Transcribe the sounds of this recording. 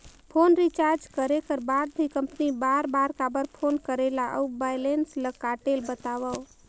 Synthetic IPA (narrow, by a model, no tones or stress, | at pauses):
pʰonɾit͡ʃaɾd͡ʒkəɾekəɾbad̪̚b̪ʱikəmpnibaɾbaɾkabəɾpʰonkəɾelaʔə̰ubajlensləkːaʈelbət̪aʋəw